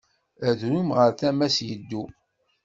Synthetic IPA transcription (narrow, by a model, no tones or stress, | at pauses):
æðɾumʁəɾθæmæsjəd̪ːu